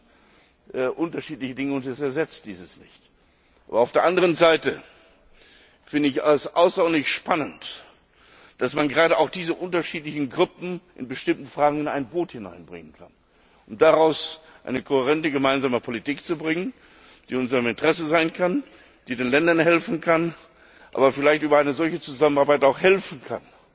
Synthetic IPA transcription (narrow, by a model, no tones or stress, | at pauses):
ʔɛʔʊntɐʃiːtlɪçədɪŋəʊntɛsɛɐzɛt͡st̚d̥iːzəsnɪ̰çt | ʔa̰ːbɐaʊfdeːɐʔandəʁənzaɪtə | fɪndəɪçasʔa̰ʊsd̥ɔɐnlɪçʃpanənt | d̥asmanɡəʁaːɾəʔaʊxd̥iːzəʔʊntɐʃiːtlɪçn̩ɡʁʊpm̩ʔɪ̰nbəʃtɪmtn̩fʁ̥aːɡŋ̩ɪna̰ɪnboːthɪna̰ɪnbʁɪ̰ŋənkʰa̰n | ʔʊmd̥aʁaʊs | ʔa̰ɪnəkʰohɛʁɛntəɡəmaɪnzaːməpʰolitiːkt͡subʁɪŋən | d̥iːʊnzəʁəmɪntʁ̥ɛsəzaɪnkʰan | d̥iːdeːnlɛndɐnhɛlfn̩kʰan | ʔa̰ːbɐfɪlaɪçtʔyːbɐaɪnəzɔlçət͡suzamənaɐbaɪtaʊxhɛlfn̩kʰa̰n